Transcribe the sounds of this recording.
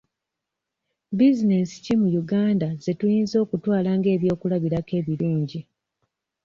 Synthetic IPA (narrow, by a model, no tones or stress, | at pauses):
bizine̞si̥cimujuɡaːndaze̞tujiːnzo̞ːkutwaːlaːŋɡe̞ːβjo̞ːkulaβiɾake̞βiluːɲɟi